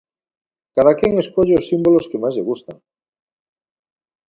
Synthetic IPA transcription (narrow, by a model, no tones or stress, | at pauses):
kaðakeŋeskoʎeosːimboloskemazʎeɣ̞ust̪a̰ŋ